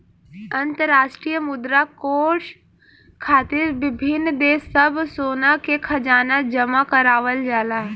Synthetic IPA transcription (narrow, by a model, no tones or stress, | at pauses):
ɐ̃nt̪əɾːaːʃʈɾijəmʊd̪ɾakoːɾʃ | kʰaːt̪ɪɾʋɪbʱɪnːd̪eːsːəbsoːnakekʰɐd͡ʒaːnad͡ʒɐmakəɾaːʋəld͡ʒaːlaː